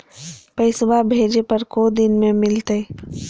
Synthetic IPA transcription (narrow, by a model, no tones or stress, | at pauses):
pəɪsbabʱeːd͡ʒepɐɾkod̪ɪnmẽmɪlt̪e